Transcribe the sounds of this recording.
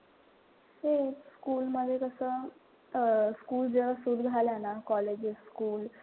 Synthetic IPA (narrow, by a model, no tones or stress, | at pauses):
heskuːlməd̪ʱːjekəsəː | skuːld͡zeʋasud̪ɡʱaljanakɔled͡ʑskuːl